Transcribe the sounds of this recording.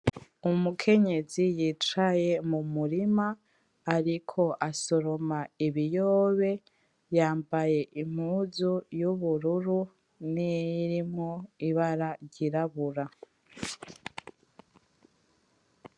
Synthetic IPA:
umukʰe̞ɲe̞zijit͡ʃaje̞mumuɾimaː | ɾikʰo̞ʔaso̞ɾo̞maiβijoːβe̞ | jaːmbaje̞ʔim̥huːzujuβuɾuɾu | niɾimŋoiβaɾaɾɟiɾaβuɾa

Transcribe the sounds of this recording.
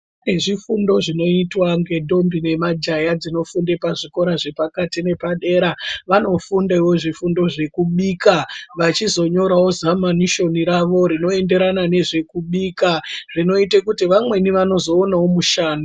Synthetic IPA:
ne̞ʐifundo̞ʐino̞itwaŋɡe̞dʱo̞mbine̞mad͡ʒajad͡zino̞fundepaʐiko̞ɾaʐe̞pakatine̞paɗe̞ɾaʋano̞fundaiwo̞ʐifundo̞ʐe̞kuɓiːkaʋat͡ʃizo̞ɲo̞ɾawozamaniʃo̞niɾaʋo̞ɾino̞e̞nde̞ɾanane̞ʐe̞kuɓiːkarino̞itekutiʋamwe̞niʋano̞zo̞ːnawo̞muʃaːnu

